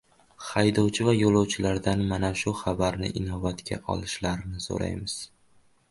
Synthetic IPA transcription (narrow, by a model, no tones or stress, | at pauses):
χajd̪ɒwt͡ʃʰɪvajolˠɒwt͡ʃʰɪlaɾd̪anmanaʃʊχabaɾnɪ̰ʔɪnɒvat̪kʲʰa̰ʔɒ̰lˠɪʃlaɾɪnɪso̰ɾa̰jmɪz̥